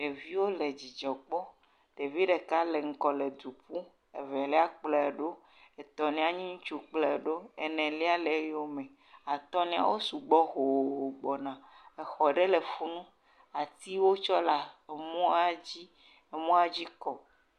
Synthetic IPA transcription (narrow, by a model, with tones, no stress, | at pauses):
ɖe˨vi˦wo˦le˨d͡ʑi˨d͡ʒɔ˨k͡pɔ˦ | t̪e˨vi˦ɖe˨ka˦le˨ŋ̩˦kɔ˨le˨d̪u˨pu˦ | ḛ˨vɛ˨lɛ˦a˦k͡plɛ˨ɖo˦ | e˨t̪ɔ˨nĩ˦a˦˨ɲĩ˦ŋ̩̃˦t͡ʃu˦k͡plɛ˨ɖo˦e˨nɛ̃˨li˦a˦le˨˦jo˦mẽ˨ | a˨t̪ɔ˦nĩ˦a̰˨˦wo˦su˨ɡ͡bɔ˦ɦo˨o˨ɡ͡bɔ˨nã˨e˨xɔ˨ɖe˦le˨fu˦nũ˦ | a˨t̪i˦wo˦t͡ʃɔ˦la˨mɔ̃˦a˦d͡ʑi˦ | e˨mɔ̃˦a˦d͡ʑi˦kɔ˨